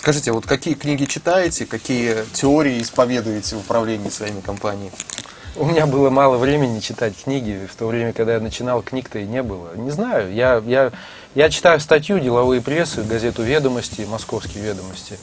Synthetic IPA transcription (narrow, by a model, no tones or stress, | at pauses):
skɐʐɨtʲɪvot̪kɐkʲijəknʲiɡʲɪt͡ɕɪt̪ajɪtʲɪkɐkʲijətʲɪoɾʲɪɪɪspɐvʲe̞d̪ʊjɪtʲɪvʊpɾɐvlʲenʲɪjəsvɐimʲɪkɐmpanʲɪjɪɪ | ʊmʲɪnʲabɨlˠəmalˠəvɾʲemʲɪnʲɪt͡ɕɪt̪atʲknʲiɡʲɪft̪o̞vɾʲemʲəkɐɡ̚d̪ajanət͡ɕɪnɑlˠknʲikt̪əɪnʲe̞bɨlˠənʲɪznajʊjaja | jat͡ɕɪ̥t̪ajʊst̪ɐt̬ʲjudʲɪlˠɐvɨjəpɾʲe̞sːɨɡɐzʲe̞t̪ʊvʲed̪əməsʲtʲɪmɐsko̞fskʲɪjvʲe̞d̪əməsʲtʲɪ